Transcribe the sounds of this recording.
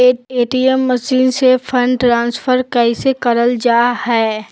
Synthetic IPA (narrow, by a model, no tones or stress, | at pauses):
eeːʈiemːəʃiːnsepʰə̃ɳɖʈɾãːnsfʰəɾkɛɪsekɐɾəld͡ʒaːhɛː